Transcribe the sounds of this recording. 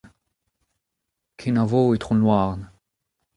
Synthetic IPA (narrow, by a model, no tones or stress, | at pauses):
kʰinavoet̪χʁɔ̃nwaʁn